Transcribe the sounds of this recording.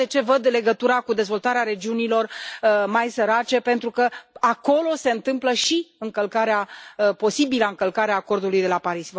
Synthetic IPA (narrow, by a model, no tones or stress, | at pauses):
et͡ʃe̞vəd̪le̞ɡət̪uɾakud̪e̞zvo̞lt̪aɾeaɾe̞d͡ʒiunilo̞rmajsəɾat͡ʃe̞pe̞nt̪ɾukəako̞lo̞se̞ɨnt̪ɨmpləʃiɨŋkəlkaɾeapo̞sibiləɨŋkəlkaɾeaːko̞rd̪ulujd̪e̞lapaɾis